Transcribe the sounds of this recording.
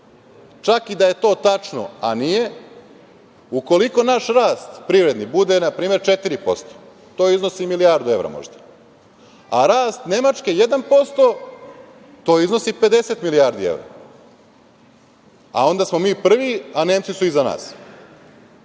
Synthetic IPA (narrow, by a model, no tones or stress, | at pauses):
t͡ʃakid̪aje̞t̪o̞ːt̪at͡ʃno̰anije̞ | uko̞liko̞naʃɾaːst̪pɾiʋɾe̞d̪nibud̪e̞napɾiːme̞ɾt͡ʃet̪iɾipo̞̰st̪o̥ | t̪o̞ːizno̞similiaɾd̪ue̞ʋɾa̰mo̰ʒd̪a | a̰ɾaːst̪ne̞mat͡ʃke̞je̞d̪anpo̞st̪o̞ | t̪o̞ːizno̞sipe̞d̪e̞se̞t̪miliaːɾd̪ie̞̰ʋɾa̰ | a̰o̞nd̪asmo̞miːpr̩ʋianeːmt̪sisuizana̰ːs